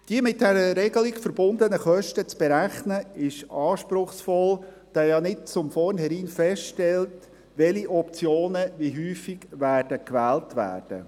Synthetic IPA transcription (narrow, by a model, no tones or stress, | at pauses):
d̥iəmɪt̚dɛɾəɾɛɡəlɪkfəɾbʊndənəχœʃtət͡sb̥ɛɾæχnəɪʃɑːʃpɾʊχsfɔl | d̥ɑjɑnɪt̚t͡sʊmfɔrnhɛɾiːnfɛstʃtɛlt | ʋɛliʔɔp̚t͡sjoːnəʋiɦyːfɪɡʋæːrd̥əkʋæːltʋæ̰ːrd̥ə̰